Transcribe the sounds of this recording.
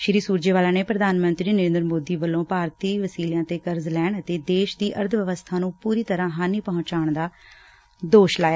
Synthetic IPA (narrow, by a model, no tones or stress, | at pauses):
ʃɾiːsuːɾd͡ʒeːʋaːlãːneːpɾəd̪aːnmə̃nt̪ɾiːnəɾẽːnd̪əɾmoːd̪iːʋəlːõːpaːɾt̪iːʋəsiːljãːt̪eːkəɾzlɛːɳət̪eːd̪eːʃd̪iːʔəɾd̪ʱʋəʋəst̪ʰãːnũːpuːɾiːt̪əɾãːɦaːniːpəɦʊ̃t͡ʃaːɳd̪aː | d̪oːʃlaːjaː